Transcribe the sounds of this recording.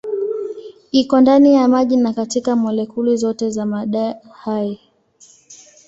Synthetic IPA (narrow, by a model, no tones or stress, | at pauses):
ikɔndanijamaʄinakatikamɔlɛkulizɔtɛzamaɗa | hai